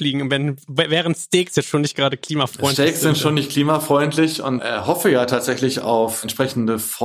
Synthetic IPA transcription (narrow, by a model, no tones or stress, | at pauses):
fliːɡŋ̩ʊntvɛnvvɛːʁ̞əntstɛːksjɛt͡sʃoːnɪçt̚ɡ̥ʁaːɾəkl̥iːmafʁ̥ɔʏntɛːkszzɪntʃoːnːɪçtkʰl̥iːmafʁ̥ɔʏntʰlɪçʊ̰ntʔɛhɔfəjaːtʰaːtz̥ɛçlɪça̰ʊfɛntʃpʁ̥ɛçn̩dəfɔ